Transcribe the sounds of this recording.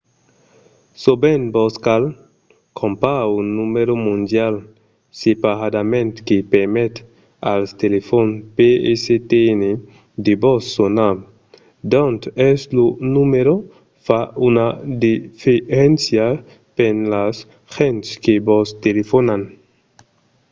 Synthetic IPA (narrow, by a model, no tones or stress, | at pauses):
sobenbɔskal | kʰompaunːumeɾomund̪jal | sepaɾad̪amẽnt̪kepeɾmet̪ | a̰lst̪elefonpeeset̪ene | d̪ebosːona | d̪ɔnt̪ɛslonumeɾo | faunad̪ifeɾensja | penlas | xent̪skebost̪elefonan